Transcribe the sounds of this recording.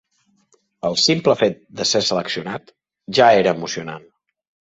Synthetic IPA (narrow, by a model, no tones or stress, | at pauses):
əlˠsimpləfet̪̚d̪əsesələksiunat̪ | ʒaeɾəːmusiuna̰n